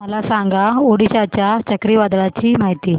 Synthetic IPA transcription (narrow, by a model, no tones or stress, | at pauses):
məlasaŋɡaoɽiɕat͡ɕjat͡ɕəkɾiʋad̪ɭat͡ɕiːmaɦit̪iː